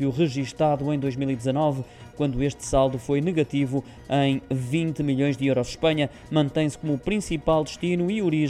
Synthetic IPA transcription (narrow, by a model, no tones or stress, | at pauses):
juʁɨʒiʃt̪aðuẽj̃d̪ojʒmilˠid̪zɐnɔvkwɐ̃nd̪ueʃt̪salˠd̪ufojnɨɣɐt̪ivu | ɐ̃j̃vĩnt̪ɨmiʎõj̃ʒd̪ɨewɾɔʃʃpɐɲɐ | mɐ̃nt̪ɐ̃j̃sɨ̥komupɾĩsipalˠd̪ɨʃt̪inuiuɾiʒ